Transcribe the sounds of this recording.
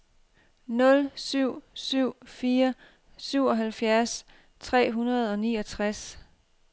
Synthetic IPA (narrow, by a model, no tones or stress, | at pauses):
nɔ̽lsyʊ̰syʊ̰fiːɐ | syʊɒ̽ɦælfjæɐs | t͡sʰʁɛ̰ːɦunɐð̞̩ˠɒ̽nḭːɒ̽t͡sʰʁas